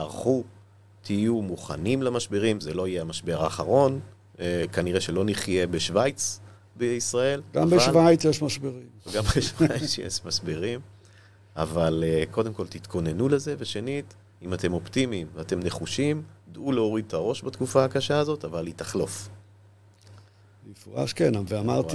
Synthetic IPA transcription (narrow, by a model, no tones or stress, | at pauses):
aʁχu | t̪ʰijumuχa̰nimlamaʃbeʁimzelo̞ijeamaʃbe̞ʁaːχaʁo̞n | kaniʁeʃe̞lo̞niχje̞beʃvajt͡s | beisʁae̞lɡambevaʃvajt͡sjeʃmaʃbeʁimvɡambeʃvajt͡sjḛʃmaʃbeʁim | a̰valeko̞d̪e̞mko̞lt̪it̪kʰo̞ne̞nule̞ze̞veʃe̞nit | imat̪e̞mo̞pt̪imimveate̞mne̞χuʃimd̪uleo̞ʁid̪̚taʁo̞ʃbat̪kufaakaʃaːzo̞t̪avalit̪aχlo̞f | ifʁa̰ʃkenaveamaʁ